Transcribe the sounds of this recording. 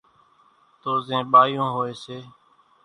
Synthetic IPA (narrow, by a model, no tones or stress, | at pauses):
t̪oːzẽːɓaːjõːɦoːeːseː